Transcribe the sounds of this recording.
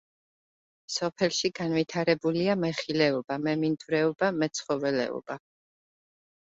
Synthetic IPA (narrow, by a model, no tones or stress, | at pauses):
sɔpʰɛlˠʃiɡanvit̪ʰaɾɛbuliamɛχilɛɔbamɛmind̪vɾɛɔbamɛt̪sʰχɔvɛlɛ̰ɔ̰b̥a